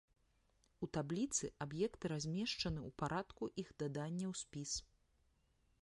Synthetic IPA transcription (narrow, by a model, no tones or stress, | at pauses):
ut̪ablʲit̪sɨabjɛkt̪ɨɾazʲmʲɛʂt͡ʂɐnɨupaɾʔat̪kuʔixd̪ad̪anʲːɐwsʲpʲis